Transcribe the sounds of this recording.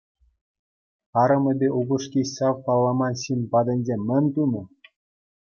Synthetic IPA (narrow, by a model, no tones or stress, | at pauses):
ɑɾɤ̆mɘ̆bʲeʔubɤ̆ʂkʲiɕsɑwpɑlˠːɑmɑnɕinʲpɑd̪ʲɘ̆nʲzʲemʲːɘ̆nʲt̪unɤ̆